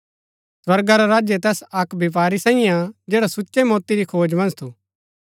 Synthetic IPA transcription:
swɐɾɡaɾaɾaːd͡ʒjet̪ɛːsɐkbʱɪp̬aːɾisãːɪ̃jãd͡ʒeːɽasʊʃemɔːt̪iɾikʰoːd͡ʒmɐ̃nst̪ʰuː

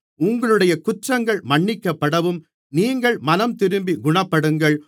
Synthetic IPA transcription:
ʊŋɡɐɭɯɽɐjɐkʊʈrɐŋɡɐɭmɐɳːɪkːɐpːɐɽɐʋɯm | niːŋɡɐɭmɐnɐmt̪ɪɾɯmbiɡʊɳɐpːɐɽɯŋɡɐɭ

